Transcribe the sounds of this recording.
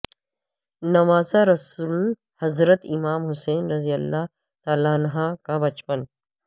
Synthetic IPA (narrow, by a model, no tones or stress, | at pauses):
nɐʋaːzaɾɐsul | hɐzɾət̪ɪmaːmɦʊseːnɾɐzijəlːaː | t̪aːlaːnɦãkabɐt͡ʃpən